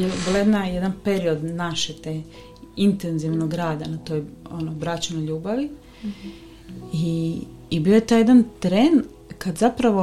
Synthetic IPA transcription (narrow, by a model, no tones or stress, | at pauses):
ebilajed̪najed̪anpeɾio̞d̪naʃet̪e | int̪enziʋnoɡɾaːd̪anat̪o̞ːjonobɾat͡ɕenojʎuːbaʋi | iː | bio̞jet̪aːjd̪ant̪ɾeːn | kad̪zapɾaʋo̞